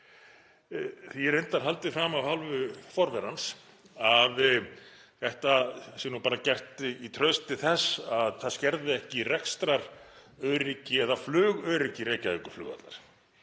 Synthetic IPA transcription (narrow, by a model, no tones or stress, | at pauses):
θiɾejnt̪aɾ̥ɦalt̪ɪfɾaːmavhalvʏfɔɾvɛɾans | að | θɛht̪asjɛnupaːɾacɛr̥t̪ɪit̪ʰɾœɥst̪ɪθɛsːaðθascɛɾðɪɛhcɪrɛkst̪ɾaɾ̥œɥɾɪcɪɛðaflœːɣœːɾɪcɪɾeːjcaikʏɾ̥flʏ̰ːɣa̰t̪laɾ̥